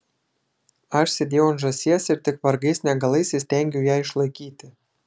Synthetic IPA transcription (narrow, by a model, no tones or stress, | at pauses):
ɑʃsʲĕd̪ʲeonʒɑ̆sʲjɛsʲĕrʲt̪ɘ̆kβɑrɡesʲnʲɑɡɑlesʲesʲt̪ʲæŋɡʲejɑʃlɤ̆kit̪ɘ̆